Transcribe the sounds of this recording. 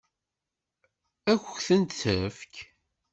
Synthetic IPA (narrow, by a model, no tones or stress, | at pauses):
æçəçθənt̪θəfk